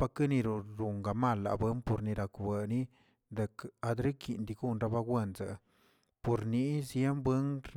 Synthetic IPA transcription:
pa˧kɨ˦ni˧ɾu˨ɾu˨ŋɡa˨ma˧˨lːa̰˨bɨ˦npo˧ɾni˧ɾa˨kbe˨ni˦ | d̪e˨ka˧d̪ɾi˦kḭ˨nd̪i˧ɡu˦˧nɾa˧ba˧ɡwʷe˦˧˨nza̰˨ | po˨ɾni˦zje˦mbwe˦nɾ

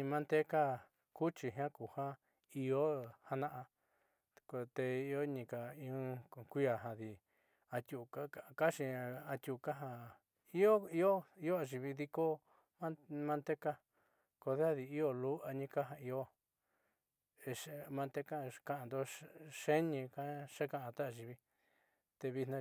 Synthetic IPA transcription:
ĩ˧mã˦nt̪e˦ka˦ | ku˦t͡ʃi˧ɦã˦ku˨hã˦ | i˧o˦ha˧nã˦ʔa˧ | ko˧t̪e˧i˧˦o˦ɲĩ˧ka˨ĩ˧kʷi˦a˨ɦã˧ði˧ | a˧t̪ʲu˧ka˦a˧ka˦ʃi˧a˧t̪ʲu˧˨˧ka˦ɦa˧ | i˦o˦i˦o˦i˦o˦a˧ʒi˧βi˧ði˧ko˦ | mã˦mã˧nt̪e˦ka˦ | ko˧ðe˦a˦ði˧i˦o˦lu˦a˧ɲĩ˦ka˦ɦã˧i˧˦o˦ | e˧ʃmã˧nt̪e˦ka˦ka˧ʔã˧˨nd̪o˦ʂe˦ɲĩ˧ka˦ʂe˦kã˧˨ã˧t̪a˦a˧ʒi˧βi˦ | t̪e˧βi˧nã˧

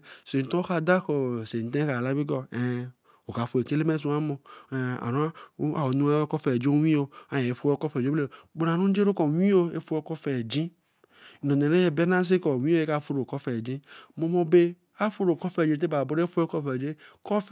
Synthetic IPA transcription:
se˨n˨t̪ɔ̃˦o˦xa˦d̪a˦xo˨se˨n˨t̪ẽ˦xa˨la˦bi˦ɡɔ˦ɛ˨ | wo˨ka˨fo˨e˨ke˦le˦mẽ˦s̬ũ˦a˦mɔ̃˨a̰˨nɔ̃˦a˦a˨wo˨˦nũ˦a˦kɔ˦fɛ˨d͡ʒo˦ɲĩ˦o˦a˨˦ɲɛ̃˨e˦fu˦ɔ˦kɔ˦fɛ˨d͡ʒo˦ble˦˨ɡ͡bo˨nã˨nũ˦d͡ʒe˦ɾo˦kɔ˨ɲ˦ĩ˦wo˦e˦fu˦kɔ˦fɛ˨d͡ʒĩ˦˨ | nɔ̃˨nẽ˨nẽ˦je˨˦be˦nã˦s̬e˦kɔ˨w̃ĩ˦o˦e˦ka˨fu˦ɾo˨kɔ˦fɛ˨d͡ʒĩ˦mɔ̃˨mɔ̃˨be˦ | a˦fu˦ɾo˨kɔ˦fɛ˨ĩ˦t̪̬e˦ba˨bo˦ɾe˦e˦fo˦e˦kɔ˦fɛ˨d͡ʒe˦kɔ˦f

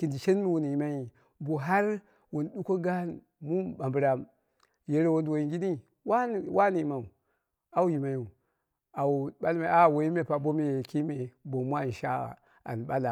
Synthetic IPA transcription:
ki˨ndi˨ʃe˦n˦mi˦wu˨n˨ji˨ma˦i˨ | bo˨ɦa˦ɾ | wo˨n˨ɗu˦ko˦ɡa˦n | mu˦ba˨mbɾa˨m | je˦ɾe˦wo˦ndwo˨i˨ɡi˦ni˦ | wa˦˨wa˦ni˨ma˨u˨ | a˦wu˦ji˨ma˨ju˨ | a˨u˨ɓa˦lma˨˦a˨wo˨ji˦me˨pa˨bo˦me˦je˨ki˦me˨bo˨mu˦a˦˨n˨ʃa̰˦˨ | a̰˨n˨ɓa˦la˨

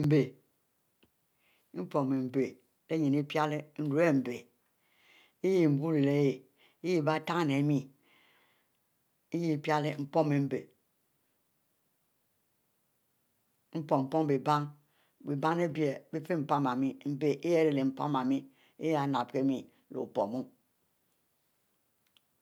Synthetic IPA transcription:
m̩˦be˨ | m̩˦po˨me˨m̩˨be˨ | de˦ɲi˨ni˦pja˦le˦n̩˦ɾu˦e˦˨m̩˨be˨ | i˦ji˦˨m̩˨bu˦ɾe˨le˦je˨ | i˦ji˦ba˦ta˦ŋ˨ne˨˦mi˦ | i˦ji˦pja˦le˦m̩˦po˦me˨m̩˦be˨ | m̩˦po˨m̩˨po˦ŋ˦be˨ba˦ŋ | bi˨ba˦ŋ˦e˦bi˦e˨be˦fe˦m̩˨pa˦ma˨mi˦m̩˦be˨ʔe˦je˦ɾe˨le˨m̩˨˦pa̰˦ma˨mi˦ | e˦ja˨˦na˨p̚ke˦mi˨ | lo̰˨po̰˨mu˦

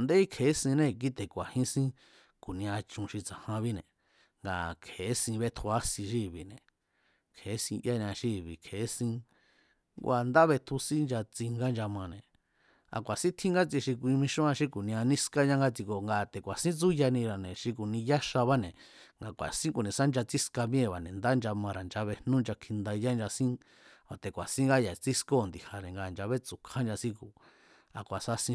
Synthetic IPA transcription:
nd̪e˦i˦kʰe˨˦sĩ˧nẽ˦k̬i˦t̪e˨kʷa˨hĩ˦sĩ˦ | ku˨nĩ˧ã˧t͡ʃũ˧ʃi˧t͡sã˨hã˧βi˦nḛ̃˨ | ŋɡa̰˨kʰe˨˦sĩ˧βe˧t̪ʰu˧a˦sĩ˧ʃ̬i˦˨βi˨nḛ̃˨ | kʰe˨˦sĩ˧ʔja˦ɲ˧ã˧ʃi˦˧βḭ˨kʰe˨˦sĩ˧ | ŋɡʷʔa˧˨nd̪a˦βe˧t̪ʰu˧sĩ˦nd͡ʒa˧t͡si˧ŋɡa˦nd͡ʒa˧mã˧nẽ˨ | a̰˧kʷa˨sĩ˦t̪ʰĩ˦ŋɡa˦t͡si˧ʃi˧kʷĩ˧mĩ˧ʃũ˦ã˧ʃi˦ku˨nĩ˧ã˧nĩ˦ska˦ɲã˦ŋɡa˧t͡si˧ko˨ŋɡa˧˨t̪e˨kʷa˨sĩ˦t͡su˦ja˧nĩ˧ɾa˨nẽ˨ʃi˧k̬u˨nĩ˧ja˦ʃa˧βa˦nẽ˨ŋɡa˧kʷa̰˨sĩ˦ku˨nĩ˨˧sa˦nd͡ʒa˧t͡si˦ska˧mj̃ẽ˦˨βa˨nẽ˨nd̪a˦˧nd͡ʒa˧mã˧ɾa˨nd͡ʒa˧βe˧hnũ˦nd͡ʒa˧kʰi˧nd̪a˧ja˦nd͡ʒa˧sĩ˦ | a˨t̪e˨kʷa̰˨sĩ˦ŋɡa˦ja˨t͡si˦sko˦˨nd̪i˨ha˨nẽ˨ŋɡa˧˨nd͡ʒa˧βe˦t͡su˨kʰa˦nd͡ʒa˧sĩ˦ku˨ | a̰˨kʷa˨sa˧sĩ˧

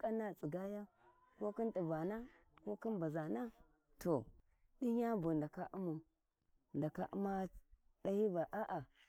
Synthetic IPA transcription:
ka˦na˦t͡sʼi˨ɡa˦ja˦ | ko˦ki˦nti˨ba˨na˦ko˦ki˦nba˨za˨na˦ | to˨ | ɗi˦ɲa˦bu˨nda˨ka˦ʔu˦mu˨ | nda˨ka̰˨ʔṵ˦ma˦ | ɗa˦hi˦ba˨ʔa˦ʔa˨

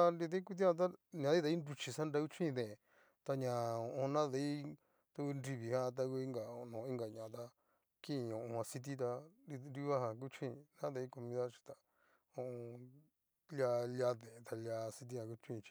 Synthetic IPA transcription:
a˧nɾi˧ðẽ˦i˦ku˦t̪̬ĩ˦ã˧t̪̬a˦ɲã˨˧ði˦t̪a˧˦i˦nɾu˧t͡ʃi˧sã˦nɾa˧ku˦t͡ʃʰĩ˦˧ðẽ˨ | t̪a˧ɲã˨õ˧õ˧nã˦ðe˧˦i˦ | t̪a˧ku˧nɾi˧βi˨hã˦t̪̬a˧ku˧i˦ŋɡa˨o˧˨nõ˨˧ĩ˦ŋɡa˨ɲã˨t̪a˧ | kĩ˦˧˨õ˨ʔõ˧hã˧si˧t̪̬i˦t̪̬a˧i˧nɾi˦˧βa˦ɦã˧k̬u˦t͡ʃʰĩ˦˧nã˦ðe˧i˦ko˧mĩ˧ða˦t͡ʃi̥˧t̪a˧ | õ˧õ˧ | lja˧lja˧ðẽ˨˧t̪a˧lʲa˧si˧t̪̬i˦˧hã˧ku˦˧t͡ʃĩ˦˧t͡ʃi̥˧

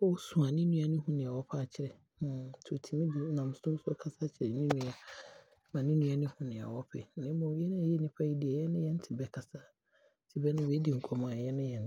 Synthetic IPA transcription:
wɔ˦wsũ˨a˨nɪ̃˦nũ˦a˦nʊ̃˦hũ˦nɪ̃˨a˨wɔ˦pʰa˦˨t͡ɕʰɪ˦ɾɛ˨˦ | tʰo˨tʰi˨mĩ˦di˨˦nã˨m˨sʊ̃˦sʊ˦ɔ˦kʰa˦sa˦t͡ɕʰɪ˨ɾɛ˨nĩ˦nũ˦a˦ | mã˨nɪ̃˦nũ˦a˦nʊ̃˦hʊ̃˦nɪ̃˨a̰˨wɔ˦pʰɛ̰˨nɪ̃˦mɔ̃˨˦jɛ˦nɪ̃˦˨jɛ˦nɪ̃˦pʰa˦ji˦di˨ɛ˨jɛ˦nɪ̃˦jɛ˦n̩˦tʰɪ˨bɛ˦kʰa˨sa˦ | tʰɪ˨bɛ˦nʊ̃˦wɛ˦di˨ŋ̩˨kʰɔ˨mã˨jɛ˦nɪ̃˦jɛ˨n˨

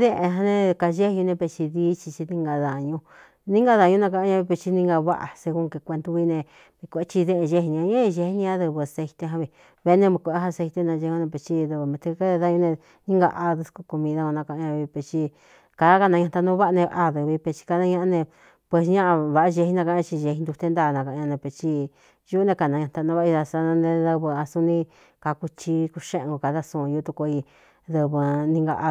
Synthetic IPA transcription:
ðẽ˦ʔẽ˧ɦã˧nẽ˧ka˧ʒe˦hjũ˧nẽ˧pe˧t͡ʃi˧ði˦t͡ʃi˧t͡ʃi˧nĩ˧ŋɡa˧ða˨ɲũ˧ | nĩ˦ŋɡa˧ða˨ɲũ˧nã˧k̬a˧ʔɲã˧βi˧pe˧t͡ʃi˧nĩ˦ŋɡa˧βa̰˦ʔa̰˨se˧ku˧ke˧kʷe˧nd̪u˧βi˦˧nẽ˧ | βi˧kʷe˦t͡ʃi˧ðẽ˦ʔẽ˧ʒe˧˦hnĩ˧ã˧ɲã˦˧ʒe˧hi˧nĩ˧a˧˦ðɨ˧βɨ˧a˧se˧i˧t̪e˧ɦã˧βi˧˨ | βe˧˦nẽ˧mĩ˧kʷɦa˧se˧t̪e˧nã˧ʒe˧ũ˧nẽ˧pe˧˨t͡ʃi˧ðɨ˧βɨ˧mẽ˧t̪e˧ka˦ðe˧ða˦˧˦ɲũ˧nẽ˧ | nĩ˦ŋɡa̰˧ʔa˧ðɨ˧sku˧ku˧mĩ˧ða˦˧õ˧nã˧kã˧ã˧βi˧pe˧t͡ʃi˧ | ka˧˦ka˧nã˧ɲã˧t̪a˧nũ˦βa˦˧nẽ˧a˧ðɨ˧βi˧pe˧t͡ʃi̥˧ka˧nã˦˧ɲã˧ʔã˧nẽ˧ | pwe˧˨sɲã˦ʔa˧βa˧˨a˧ʒe˧hi˧nã˧kã˧ã˧t͡ʃi˧ʒe˧hi˧nd̪u˧t̪e˧˦nd̪aː˦˧˨nã˧kã˧˨˧ɲã˧nẽ˧pe˧t͡ʃi˧ | ju˦nẽ˧ka˧˨nã˧ɲã˧t̪a˧nũ˦βa˧sa˧nã˧nẽ˧ðɨ˧βɨ˧a˧sũ˦nĩ˧ | ka˧ku˧t͡ʃi˧ku˧ʃẽ˦ʔŋɡo˧ka˧ða˦sũ˧˨˧ju˧˦t̪u˧ko˧i˧ | ðɨ˧βɨ˧nĩ˧ŋɡa̰˧ʔa˧

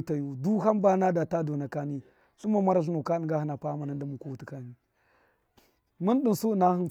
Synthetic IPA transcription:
ta˨ju˦du˦ɦa˦mba˦na˦da˨ta˦do˨na˨ka˦ni˦ | ɬu˦ma˨ma˦ɾa˦ɬ̬i˦nu˨ka˦˨ŋɡa˦hi˦na˨pa˦ma˨na˦n˦da˦mu˨ku˦wu˨ti˨ka˦ni˦ | mu˦nɗi˦nsu˦˨na˦hn

